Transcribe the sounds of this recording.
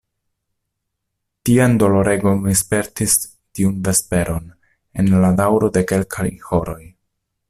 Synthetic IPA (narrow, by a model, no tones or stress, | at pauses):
tiando̞lo̞ɾe̞ɡo̞nlispe̞ɾtis | tiunve̞spe̞ɾʔo̞n | enladawɾo̞de̞ke̞lkʰajho̞ɾo̞j